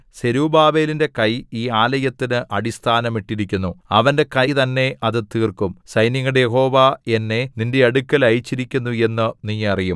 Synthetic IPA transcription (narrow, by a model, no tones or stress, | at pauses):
se̞ɾuːbaːbe̞ːlinde̞kɐjiːaːlɐjɐt̪ːinɨʔɐɽist̪ʰaːnɐmiʈːiɾikʲːunːuɐʋɐnde̞kɐt̪ɐnːe̞ʔɐðɨt̪iːrkumsɐjnjɐŋːɐɽejeɦo̞ːʋae̞nːe̞ninde̞ɐɽukʲːɐlɐjit͡ɕːiɾikʲːunːue̞nːɨnijːɐrijum